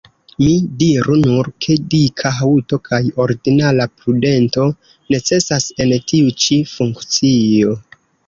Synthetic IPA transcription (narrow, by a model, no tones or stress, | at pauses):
midiɾunuɾkʰe̞dikʰaɦauto̞kʰajo̞ɾɡinalapɾude̞nto̞ | ne̞t͡se̞sase̞ntiut͡ʃifuŋkt͡sio̞